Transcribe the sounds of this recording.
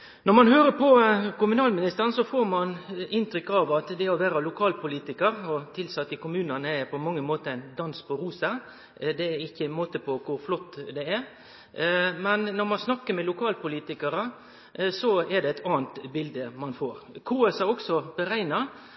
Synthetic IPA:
nɔɾmɑnhøːɾəpʰɔkʊmʉnɑːlmɪnɪst̪əɾənsɔfoːɾmɑnɪnt̪ɾʏkːɑʋɑt̪d̪ɛɔʋæːɾəlʊkʰɑːlpʰʊliːt̪ɪkəɾɔt̪ʰɪlsɑt̪ːəkʊmʉːnənəɛɾpʰɔmɑŋːəmoːt̪əæɪnd̪ɑnspɔɾuːsə | d̪ɛæɾɪçːənmoːt̪əpʰɔkʰʊɾflɔt̪ːd̪ɛɛɾ | mɛnnɔɾmɑnsnɑkːəɾmɛlʊkʰɑːlpʊliːt̪ɪkəɾə | sɔɛɖɛɛt̪ʰɑːənt̪bɪld̪əmɑnfoːɾkʰuːɛsɑɾɔksɔbəɾæɪnɑɾ

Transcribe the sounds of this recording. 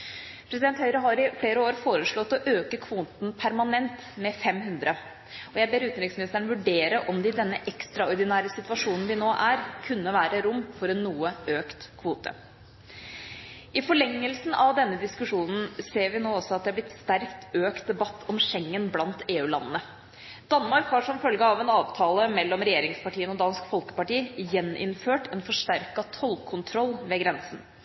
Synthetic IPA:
pʰɾɛsɪd̪ɛnt̪hœʏɾəɦɑɾɪfɽeːɾəoːɾfoːɾəʂɭɔt̪ːɔʔøːkəkʰʋuːt̪npʰæɾmɑnɛnt̪mɛfɛmɦʉnd̪ɾə | ɔjæɪbeːɾʉːt̪nɾɪŋsmɪnɪst̪əɳ̩ʋʉɖeːɾəʔɔmd̪ɛɪd̪ɛnːəʔɛkst̪ɾɑɔɾɖ̪ɪnæːɾəsɪt̪ʋɑʂuːnn̩ʋɪnoːʔæɾkʰʉnːəʋæːɾəɾʊmːfɔɾɛnːuːəøːkt̪kʰʋuːt̪ʰə̰ | ʔɪfɔɭɛŋːəlsn̩ʔɑʋd̪ɛnːəd̪ɪskʉʂuːnn̩seːɾʋɪnoːɔsɔɑt̪̚d̪ɛhɑblɪt̪st̪æɾkt̪ʰøːkt̪̚d̪ɛbɑt̪ʰːɔmʂɛŋːənblɑnt̪eːʉːlɑ̰nːənə | d̪̥ɑnːmɑɾkhɑɾʂɔmfœlɡəɑʋɛnɑːʋt̪ʰɑːləmɛlːɔmɾɛjeːɾɪŋspɑʈiːənɔd̪ɑːnskfɔlkə̥pɑʈiːjɛnʔɪ̰nføːʈɛnfɔʂʈæɾkɑt̪ʰɔlkʰʊnt̪ʰɾɔlːʋeːɡɾɛnsn̩

